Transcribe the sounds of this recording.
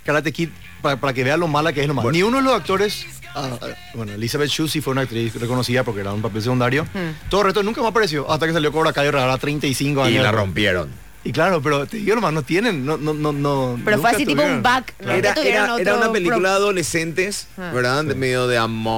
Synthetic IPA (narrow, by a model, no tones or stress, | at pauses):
kaɾat̪ekit̪ | paapaɾak̬eβe̞alo̞malak̬eeslomanĩunoðelosak̚t̪o̞ɾes | a̰ | bwenoelisaβet̪̚t͡ʃusifweunak̚t̪ɾisreko̞nosiðapo̞ɾkeeɾaũmpape̞ls̬ekund̪aɾjo̞t̪oðoret̪onũŋkamapaɾes̬jo̞ʔast̪akes̬aljo̞koβɾakajoreaɾat̪ɾejnt̪aisiŋkoaɲola̰ro̰mpjeɾo̰n | iklaɾo̞p̬e̞ɾot̪eðiɣolomasnot̪je̞nenːonononoeɾoũfweakasit̪uijpoumbakeɾaeɾaeɾaunapelikulaaðolesent̪es | βeɾðaemeðjoðeamo